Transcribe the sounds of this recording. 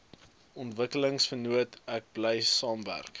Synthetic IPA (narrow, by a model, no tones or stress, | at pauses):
ɔntvəkələŋsfənuətæk̚blɛjsɑːmvæ̰rk